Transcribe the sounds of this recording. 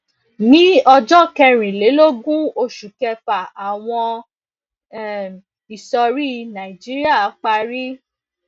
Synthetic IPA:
nĩ˦ɔ˧d͡ʒɔ˦kɛ˧ɾ̃ĩ˨le˨˦lo˦ɡũ˦o˧ʃu˨kɛ˧pa˨a˨w̃ɔ̃˧˨ | i˨sɔ˧ɾi˦nã˨i˨d͡ʒi˦ɾi˦a˦˨˦k͡pa˧ɾi˦

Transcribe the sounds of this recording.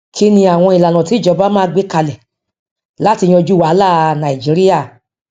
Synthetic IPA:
kʰi˦nĩ˧a˨w̃ɔ̃˧i˨la˨nã˨ti˨˦˨d͡ʒɔ˨˦ba˦mãː˦˧ɡ͡be˦ka˧lɛ˨ | la˦ti˧jĩ˦ɔ̃˧d͡ʒu˦wa˨˦laː˦˨˧nã˨i˨d͡ʒi˨˦ɾi˦ja˦˨

